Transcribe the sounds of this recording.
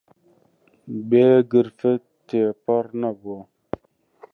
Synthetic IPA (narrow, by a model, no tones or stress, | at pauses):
beɡəɾfə | tepɔɾnabwɔ